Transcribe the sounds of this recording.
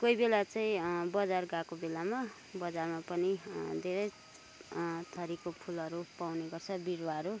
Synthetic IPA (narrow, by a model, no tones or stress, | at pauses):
kojbelat͡saĩbʌd͡zarɡakobelama | bʌd͡zarmapʌnid̪ʱeɾʌj | t̪ʰʌɾikopʰulʌɾupawneɡʌrt͡sʰʌbiɾwaʌɾu